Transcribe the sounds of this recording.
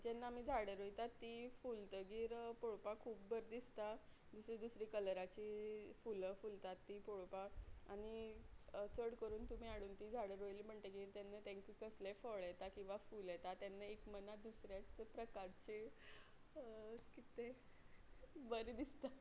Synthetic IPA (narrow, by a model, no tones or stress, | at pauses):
d͡ʑenːaamiːd͡zʱaɽəɾojt̪at̪ːifult̪əɡiːɾpoɭpakʰuːp̚bəɾd̪ist̪a | d̪usɾiːd̪usɾikələɾat͡ɕiːfuləfult̪at̪ːiːpoɭpaañi | t͡səɽkəɾuːnt̪um̤iːaɽuːnt̪iːd͡zʱaɽəɾojliːm̤əɳt̪əɡiːɾt̪janːət̪ẽŋkikəslefɔɭɛt̪akĩw̃ʋafuljɛt̪at̪janːəekmənad̪usɾjat͡səpɾəkaɾt͡ɕi | kit̪e | bəɾd̪ist̪a